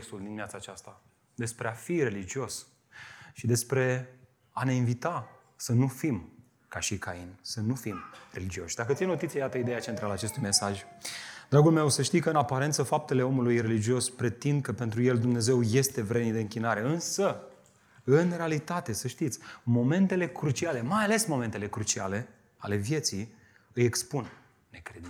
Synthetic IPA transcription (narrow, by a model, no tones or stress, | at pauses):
kst̪uld̪inmiat̪saːt͡ʃast̪a | d̪e̞spɾe̞afire̞lid͡ʒio̞s | ʃid̪e̞spɾe̞ | ane̞invit̪a | sənufim | kaʃikainsənufimre̞lid͡ʒio̞ʃd̪akət̪sijenot̪it̪sijajat̪əid̪ejat͡ʃe̞nt̪ɾalaːt͡ʃe̞st̪ujme̞saʒʲd̪̥ɾaɡulme̞wsəʃt̪ijkəɨnapaɾe̞nt̪səfap̚t̪e̞le̞o̞mulujre̞lid͡ʒio̞spɾe̞t̪ind̪̚kəpe̞nt̪ɾuje̞ld̪umne̞ze̞wje̞st̪e̞vɾe̞nid̪e̞ɨŋkʲinaɾe̞ɨnsə | ɨnre̞alit̪at̪e̞səʃt̪it̪sʲmo̞me̞nt̪e̞le̞kɾut͡ʃiale̞majale̞smo̞me̞nt̪e̞lekɾut͡ʃiale̞ | ale̞vje̞t̪si | ɨje̞kspunː | e̞kɾed̪i